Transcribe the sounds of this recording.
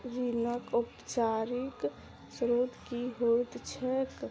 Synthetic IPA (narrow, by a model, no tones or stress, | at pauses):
ɾinəkʊpt͡ʃaːɾik | sɾoːt̪kiɦot̪t͡ʃʰɛk